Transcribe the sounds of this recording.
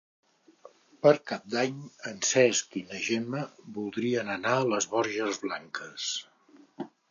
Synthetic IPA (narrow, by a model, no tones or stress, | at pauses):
pəɾkap̚d̪aɲənsɛskinəʒeməbulˠd̪ɾiənənaələzβɔɾʒəzβlaŋkəs